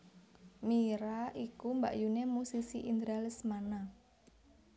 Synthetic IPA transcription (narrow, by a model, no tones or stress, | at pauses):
miɾaʔikumba̰ʔjunemusisiʔind̪ɾalismana